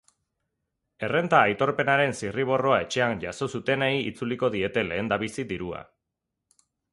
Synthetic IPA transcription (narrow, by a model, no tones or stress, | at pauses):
e̞re̞nt̪aːjt̪o̞ɾpe̞naɾe̞nsiriβ̞o̞ro̞ae̞t͡ʃe̞anʝaso̞sut̪e̞neiḭt͡suliko̞ðie̞t̪e̞le̞ːnd̪aβisiðiɾua̰